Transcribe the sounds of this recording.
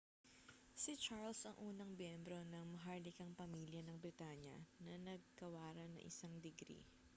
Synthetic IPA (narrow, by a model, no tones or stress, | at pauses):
sɪt͡ʃaɹlsɐŋʔuːnɐŋbjɛmbɾo̞nɐŋmɐɦaɹlɪkɐŋpɐmiːljɐnɐŋbɾɪt̪aɲjɐ̰nɐnɐɡ̚kɐwaːɾɐnɐ̰ŋʔɪ̰saŋd̪ɛɡɾḭ